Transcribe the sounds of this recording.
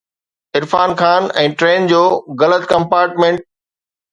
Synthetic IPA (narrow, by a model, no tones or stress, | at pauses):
ɪɾfaːnkʰaːnɛ̃ːʈɾeːnd͡ʑoːɣɐlət̪kɐ̃mpaːɾʈmẽɳʈ̚